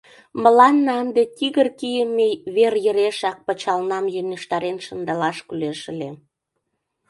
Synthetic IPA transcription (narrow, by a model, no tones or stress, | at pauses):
məlɑnːɑənd̪et̪ʲiɣərkijəmeβerjəɾeʃɑk̚pət͡ɕɑlnɑmjøneʃt̪ɑɾenʃənd̪ɑlɑʃkyleʃə̆le